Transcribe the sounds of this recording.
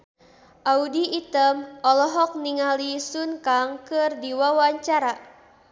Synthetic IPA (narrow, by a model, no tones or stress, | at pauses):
ʔaudiːt̪əmɔlɔɦɔk̚niŋalisunkaŋkɨrdiwawaɲt͡ʃaɾa